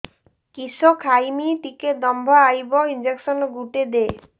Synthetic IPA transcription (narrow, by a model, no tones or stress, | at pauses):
kisɔkʰajmit̪iked̪ɔmbʱaajbɔind͡ʒeksɔnɔɡuʈed̪e